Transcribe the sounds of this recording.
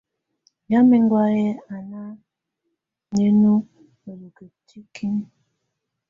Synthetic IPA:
ɲa˦mi˦ŋ˦ɡwa˦je˦a˨na˦ | ne˦nu˦ | o˨lo˨ke˨tʰi˦kʰi˦n

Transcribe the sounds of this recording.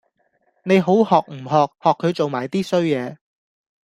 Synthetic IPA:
ne˨˧jɦo˨˥whɔː˨k̚m̩˨˩ɦɔː˨k̚hɔː˨kʰːɵ˨˧ɥt͡so˨wmaː˨˩jt̪iː˥sɵ˥ɥjɛː˨˧

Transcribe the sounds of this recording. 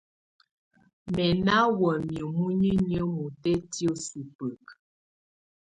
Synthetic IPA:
mɛ˨na˦wə˨mjə˨mu˦ɲi˦ɲ˦ə˦mu˨tɛ˦ti˦o˦su˨pə˨k

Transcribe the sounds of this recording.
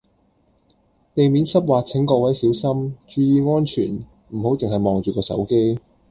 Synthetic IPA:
t̪e˨jmi˨˥nsɐ˥p̚waː˨t͡sʰɪ˨˥ŋkɔː˧k̚wɐ˨˥jsiː˨˥wsɐ˥mt͡ʃyː˨˧jiː˨˧ŋɔː˥nt͡ʃʰyː˨˩n | m̩˨˩ho˨˥wt͡sɪ˨ŋhɐ˨jmɔː˨ŋt͡ʃyː˨˩kɔː˧sɐ̰˨˥wke˥j

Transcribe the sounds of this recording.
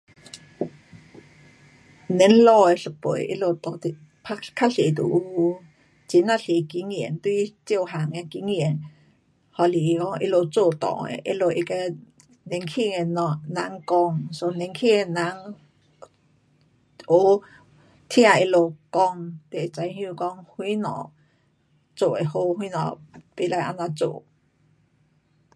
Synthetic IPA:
ne˨˦nlɔ˧˨e˧˨ɬə˧˨pə̰˨jʔḭ˧˦lo˧˨t̪ɔ˨˧˨ | pʰa˦˥kʰa˦˥ɬe˨t̪ṵ˨ʔu˧ | t͡si˨˦na˧˨ɬe˨ki˨˦ŋi˨nt̪u˧i˧˨t͡sjo˥˧˨wɦa˨ŋa˧ki˧˦ŋi˨n | hɔ˧˨li˨˧kɔ˧˨ŋʔḭ˧lo˧˨t͡so˧˨t̪ɔ̰ː˨ḛ˧˨ʔḭ˧˦lo˧˨ʔi˧ka˧ | nẽ˧ŋkʰi˧˨ŋe˧˨nã˧˦ŋkɔ˧ŋso˧nẽ˧˦ŋkʰi˦˨e˧nã˧˦ŋ | ʔo˨˦ | t̪ʰja˧˨e˧lo˧˨kɔ˧ŋt̪e˨t͡sa˧˦jhjũ˧˨kɔ˧ŋhwĩ˦nɔ̰̃˨ | t͡so˧˨ʔe˨ho˧˦hwĩ˦nɔ̰̃˨pe˧˨la˧ʔa̰˧˨nã˧t͡so̰˧˨ʔ

